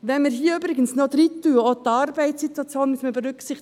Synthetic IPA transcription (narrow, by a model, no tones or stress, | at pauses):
vɛnmiːɾɦiːəyːbɾɪɡən̩snot̪rit̪ːuːot̪ɑɾbæɪssit̪wɑt͡sjoːnmysnməbəɾʏksɪχt̪